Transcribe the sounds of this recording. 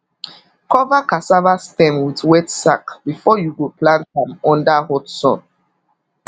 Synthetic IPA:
kɔvakasavastɛ̃mwidwɛtsakb̥ifɔjuɡuplãnthãmɔ̃ndahɔtsɔ̰̃n

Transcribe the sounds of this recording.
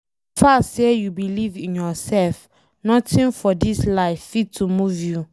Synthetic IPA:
fasejubilivĩnjɔsɛlf | nɔtĩnfɔdislaɪfːitʰumuvju

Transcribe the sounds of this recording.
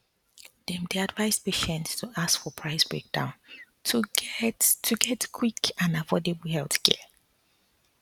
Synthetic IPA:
d̥ɛ̃mdeadvaɪspeʃɛ̃nttʰuʔaskfɔpʰɹaɪsbɹḛk̚d̥ã̰ʊ̃n | tʰuɛttʰːuɡɛtkʰwikãnavɔdebl̩hɛlθkʰɛ̰

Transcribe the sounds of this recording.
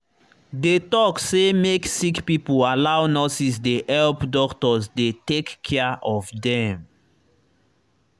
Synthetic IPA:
detɔksemeksikpipoalaʊnɔsisdeʔɛlpdɔktɔsdetekːʰɛəʔɔfdɛ̃m

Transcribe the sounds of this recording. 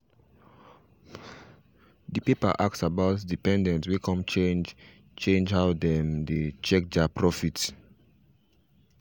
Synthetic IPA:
dipipa̰ʔak̚sabaʊtdipɛ̃ndɛ̃ntwikʰɔ̃mt͡ʃẽnd͡ʒ | t͡ʃẽnd͡ʒhaʊdɛ̃mdet͡ʃɛk̚dapɹɔfit

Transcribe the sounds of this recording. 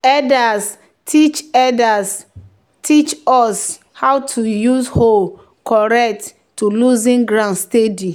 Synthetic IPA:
ɛdas | tʰit͡ʃɛdas | tʰit͡ʃɔs | hawtʰujuzhol | kɔɹɛk̚t | tːuluzĩnɡɹãnstedi

